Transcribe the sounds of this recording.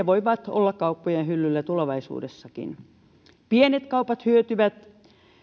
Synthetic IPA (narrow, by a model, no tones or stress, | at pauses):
eʋoiʋɑt̪o̰lːɑkkɑupːojenhylːylːæt̪uleʋɑisṵːdesːɑkḭn | pienet̪kɑupɑt̪hyøt̪yʋæt̪